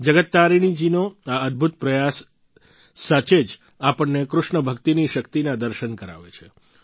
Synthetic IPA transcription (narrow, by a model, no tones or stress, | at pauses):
d͡ʒəɡət̪ːaɾiɽ̃id͡ʒinoaəd̪̚bʱut̪̚pɾəjasː | at͡ʃed͡ʒ | apəɳːekɾʊʃɳəbʱəkt̪iniʃəkt̪inãd̪əɾʃənkəɾa̰ʋḛt͡ʃʰe